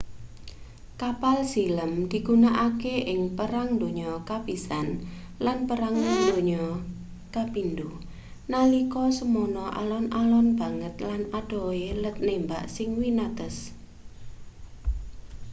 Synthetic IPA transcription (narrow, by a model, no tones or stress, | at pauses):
kapalsiləmd̪̥i̤ɡ̥unaʔakeʔɪŋpəɾaŋnd̪oɲɔkapisan | lanpəɾaŋd̪oɲɔ | kapind̪u | nalikɔsəmonɔʔa̰lɔnʔalɔnb̥a̤ŋət̪̚lanad̥ɔ̤elət̪̚nembaʔsɪŋwinat̪əs